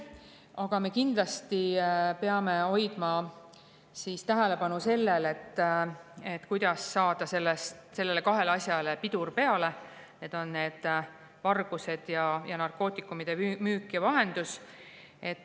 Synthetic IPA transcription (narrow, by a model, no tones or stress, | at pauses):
ɑɡ̥ɑme̞kind̪lɑst̪ipe̞ɑme̞o̞jd̪̥mɑ | sist̪æɦele̞pɑnuse̞lːele̞t̪ːˑet̪ːkujd̪̥ɑsːɑːd̪̥ɑse̞lːest̪se̞lːe̞le̞kɑɦe̞lɑsʲjɑlepid̪urpe̞ɑle̞ | ne̞ːd̪̥o̞nːe̞ːd̪̥ | vɑrɡ̥use̞d̪̥jɑjɑnɑrko̞ːt̪ːˑikːˑumid̪̥e̞myːkːjɑvɑɦe̞nd̪̥us | e̞t̪ːˑ